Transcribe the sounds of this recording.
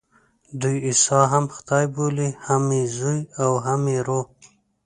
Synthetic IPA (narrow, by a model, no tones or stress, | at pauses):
d̪ujisɑɦamxt̪ɑjbolihamezujawɦameɾo